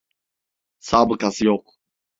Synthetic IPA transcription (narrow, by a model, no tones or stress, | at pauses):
sabəkasjɔq